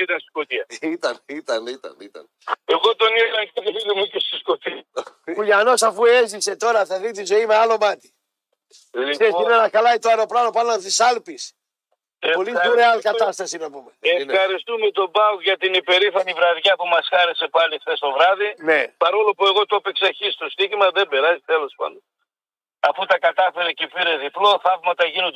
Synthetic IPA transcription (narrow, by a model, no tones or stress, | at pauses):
it̪ɐnsi̥skot̪iɐit̪ɐnit̪ɐnit̪ɐ̰nit̪ɐ̰n | eɣot̪oniɣlɐkeɾiðumecest̪i̥skot̪iuʝɐno̞sɐfuezise̞t̪o̞ɾɐθɐðit̪̬izo̞imealo̞mɐt̪i̥ | sesinenɐkɐlɐit̪oɐɾo̞pɾɐnopɐlɐnt̪isɐlpis | poliuɾeɐlkɐt̪ɐst̪ɐsinɐpumeefxɐɾist̪umet̪o̞bɐkʝɐt̪inipe̞ɾifɐnivɾɐðʝɐpumɐsxɐɾe̞se̞pɐlifθest̪o̞vɾɐðinepɐɾo̞lopue̞ɣo̞t̪opeksɐçist̪o̞st̪içimɐðe̞mbe̞ɾɐzit̪elo̞spɐ̰nd̪o | ɐfut̪ɐkɐt̪ɐfeɾecepiɾe̞ðiplo̞θɐvmɐt̪ɐʝinod